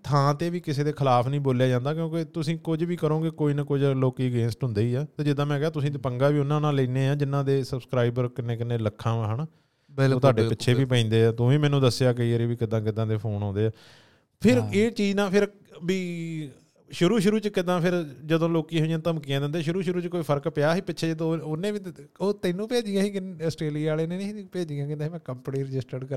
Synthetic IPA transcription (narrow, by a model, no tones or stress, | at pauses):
t̪ʰãːt̪eːʋiːkɪseːd̪eːkʰəlaːpʰnəĩːboːljaːd͡ʒãːnd̪aːk̬jõːket̪ʊsĩːkʊd͡ʒʋiːkəɾõːkekoːiːnəkʊd͡ʒloːkiːəɡẽːnsʈɦʊ̃nd̪eːiːɛːt̪eːd͡ʒɪd̪ãːmɛ̃ːkɛaːt̪ʊsĩːt̪epəŋɡaːʋiːʊnːãːnãːləiːnẽːãːd͡ʒɪnːãːd̪eːsəbskɾaːɪbəɾkɪneːkɪneːləkʰːãːaːɦənaː | oːt̪ʰaːɖeːpɪtːʃʰeːʋiːpəĩːnd̪eːɛːt̪ʊʋĩːmɛ̃ːnũːd̪əsjaːk̬eəɾeːʋiːkɪd̪ãːkɪd̪ãːd̪eːpʰoːnɦõːnd̪eːɛː | pʰɪɾeːt͡ʃiːd͡ʒnãːpʰɪɾ | biː | ʃʊɾuːʃʊɾuːt͡ʃkɪd̪ãːpʰɪɾd͡ʒəd̪õːloːkiːɦoːjãːt̪əmkijãːd̪ɪ̃nd̪eːʃʊɾuːʃʊɾuːt͡ʃkoːiːpʰəɾkpjaːɦiːpɪːʃʰeːd͡ʒd̪õonẽːʋiːoːt̪eːnũːpeːd͡ʒɪjãːɦiːkɪəsʈeːliːaːleːneːeipeːd͡ʒijãːkɪːɦiːmɛ̃ːkəmpniːɾəd͡ʒɪsʈəɾɖkə